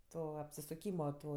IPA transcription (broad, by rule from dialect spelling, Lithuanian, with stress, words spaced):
ˈtoː ɐpʲsʲɪsʊˈkʲiːmoː ˈtoː